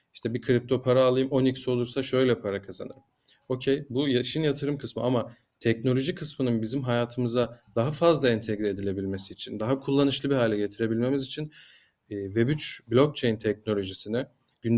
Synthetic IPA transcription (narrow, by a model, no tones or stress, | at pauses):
iʃt̪ʰɛbikʰɯɾip̚t̪ʰo̞pʰaɾaːlˠɯjɯmo̞nicso̞lˠuɾsaʃø̞jlʲɛpʰaɾakʰaza̰nɯ̰ɾɯm | o̞cʰejbujaʃinjat̪ʰɯɾɯmkʰɯsmɯama | t̪ʰɛcno̞lʲo̞ʒikʰɯsmɯnɯnbizimɦajaːt̪ʰɯmɯzad̪̥aɦafazlˠaɛnt̪ʰeɡɾie̞d̪ilʲe̞bilʲmesiːt͡ʃʰind̪aɦakʰulˠːanɯʃlˠɯbiɦaːlʲɛɟe̞t̪ʰiɾe̞bilʲme̞mizit͡ʃʰinː | vɛbyt͡ʃblʲo̞k̚t͡ʃʰejint̪ʰɛc̚no̞lʲo̞ʒisinɪ | ɟ̥yn